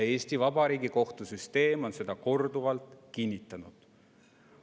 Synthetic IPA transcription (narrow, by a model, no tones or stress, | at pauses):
e̞ːst̪ivɑb̥ɑɾiːɡiko̞ht̪usyst̪e̞ːmo̞nse̞d̪̥ɑko̞rd̪̥uvɑlt̪ˑkinʲːit̪ːˑɑnud̪̥